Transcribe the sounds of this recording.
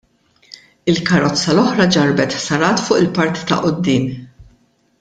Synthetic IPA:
ɪlkɐɾɔt͡sːɐlɔħɾɐd͡ʒɐɾbɛt̪ħsɐɾɐːt̪fʊːʔɪlpɐɾt̪i̥t̪ɐ̰ʔʊd̪ːɪːm

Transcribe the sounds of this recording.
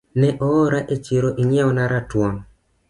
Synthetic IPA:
nɛʔɔːɾaʔet͡ʃɪɾoʔiɲɛɔnaɾatwɔn

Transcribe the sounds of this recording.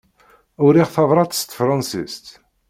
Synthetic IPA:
ʊɾiʁθɑvɾˤɑt̪st̪fɾˤɑnsḭst̪

